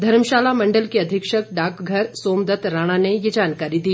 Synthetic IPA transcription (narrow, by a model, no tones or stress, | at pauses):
d̪ʱɐɾmʃaːlamɐ̃ɳɖəlkiɐd̪ʱɪkʃək̚ɖaːkɡʱɐɾsoːmd̪ɐt̪ɾaːɽ̃anejed͡ʒaːnkaːɾid̪iː